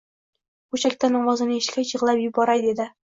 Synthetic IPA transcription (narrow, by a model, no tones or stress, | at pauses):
bʊʃakʲt̪anɒmɒzɪnɪeʃkʲajɨʁlˠapjʊbɒɾajd̪e̞d̪ɪ